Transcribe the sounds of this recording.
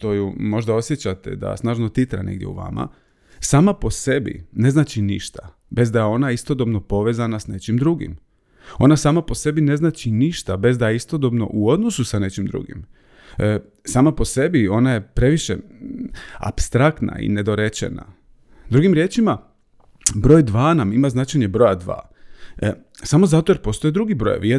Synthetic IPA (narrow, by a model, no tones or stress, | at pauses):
t̪o̞jumo̞ʒd̪ao̞sje̞t͡ɕat̪ḛd̪a̰snaːʒnot̪it̪ɾa̰ne̞̰ɡd̪jḛṵʋa̰ma̰ | saːmapo̞se̞bḭne̞znaːt͡ʃinḭʃt̪a | be̞zd̪ajeo̞naist̪o̞d̪o̞bno̞po̞ʋe̞ːzanasne̞t͡ʃimd̪ɾuɡḭm | o̞nasaːmapo̞se̞bine̞znaːt͡ʃiniʃt̪abe̞zd̪ajeist̪o̞d̪o̞bno̞̰ʔuo̞d̪no̞susane̞t͡ɕimd̪ɾṵɡḭm | saːmapo̞se̞bio̞naje̞pɾe̞ʋiʃe̞̰ | a̰pst̪ɾak̚t̪na̰ḭne̞d̪o̞ɾe̞t͡ʃḛna̰ | d̪ɾuɡimɾje̞ːt͡ʃima | bɾo̞ːjd̪ʋaːnamimaznat͡ʃajɲe̞bɾo̞jad̪ʋa̰ː | samo̞zat̪ojeɾpost̪oed̪ɾuɡibɾo̰j̰ʋie